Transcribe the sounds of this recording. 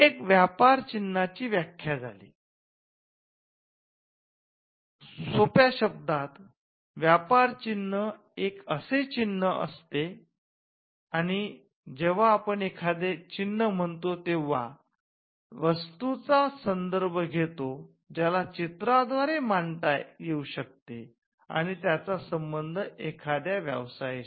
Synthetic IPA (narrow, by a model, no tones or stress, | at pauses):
ekʋjapaɾt͡ɕinːat͡ɕiːʋjakʰːjad͡zʱa̰lḭ | sopjaɕəb̚d̪at̪ | ʋjapaɾt͡ɕinːə | ekəset͡ɕinːəʔə̰st̪e | aɽ̃i | d͡ʑeʋ̤aːpəɳekʰad̪et͡ɕinːəm̤əɳt̪ot̪eʋa̰ | ʋəst̪ut͡sasənd̪əɾbʱəɡʱet̪o | d͡ʑalat͡ɕit̪ɾad̪ʋaɾemaɳt̪ajeuɕək̚t̪e | a̰ɽ̃it̪jat͡sasəmbənd̪ʱəekʰad̪jaʋjə̰ʋsaje